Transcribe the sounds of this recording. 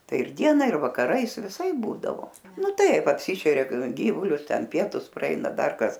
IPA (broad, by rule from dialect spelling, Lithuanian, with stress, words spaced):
ˈtɐɪ ɪr ˈdʲiɛnɐ ɪr ʋɐkɐˈrɐɪs ʋʲɪˈsɐɪp ˈbuːdɐʋoː ˈnʊ ˈtɐɪp ɐpʲˈsʲiːʃʲɛrʲɛ ˈɡʲiːʋʊlʲʊs ˈtʲɛn ˈpʲiɛtʊs prɐˈɛɪnɐ ˈdɐr ˈkɐs